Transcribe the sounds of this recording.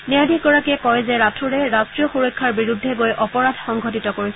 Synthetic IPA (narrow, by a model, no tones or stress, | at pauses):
niadiɡɔɹakɛkɔjzɛɹatʰuɹɛɹastɹijɔxuɹɔjkʰːaɹbiɹudʱːɛɡojʔɔpɔɹadʱxɔŋɡʱotitɔkoɹisɛ